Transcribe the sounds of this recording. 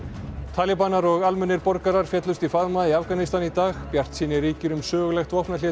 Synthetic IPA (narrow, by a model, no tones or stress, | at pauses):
t̪ʰaːlɪpanːaɾɔɣalmʏnːɪɾpɔɾkaɾaɾ̥fjɛt̪lʏst̪ifaðmaðiafɣanɪst̪anit̪aːɣpjar̥t̪siːnɪriːcɪɾʏmsœːɣʏlɛxt̪ɔhpnalɪ